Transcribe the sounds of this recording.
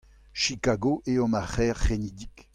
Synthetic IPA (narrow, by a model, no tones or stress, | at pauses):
ʃikaɡoʔeɔ̃maχɛːʁːenid̪ik